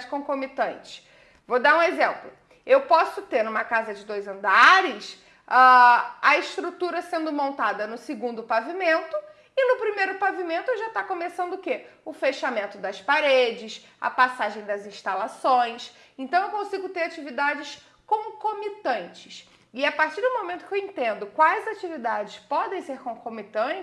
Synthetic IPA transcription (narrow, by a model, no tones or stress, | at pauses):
d͡ʒɪkõkomit̪ɐ̃nt͡ʃɪ̥ | vod̪aɾũezẽmplʊ | ewpɔsʊt̪eɾnũmɐkazɐd͡ʒɪd̪ojzɐ̃nd̪aɾɪs | aɐɪʃt̪ɾut̪uɾɐsẽnd̪ʊmõnt̪ad̪ɐnʊsɪɡũnd̪ʊpavimẽnt̪ʊ | ɪnʊpɾimejɾʊpavimẽnt̪ʊʒat̪akomesɐ̃nd̪ʊkeʊfeʃamẽnt̪ʊd̪ɐspaɾed͡ʒɪs | ɐ̰pasaʒẽj̃d̪ɐzĩʃt̪alasõj̃s | ẽnt̪ɐ̃w̃ewkõsiɡʊt̪eɾat͡ʃivid̪ad͡ʒɪs | kõkomit̪ɐ̃nt͡ʃɪ̥s | ɪapaɾt͡ʃiɾd̪ʊmomẽnt̪ʊkewẽnt̪ẽnd̪ʊkwajzat͡ʃivid̪ad͡ʒɪspɔd̪ẽj̃seɾkõkomit̪ɐ̃ɪ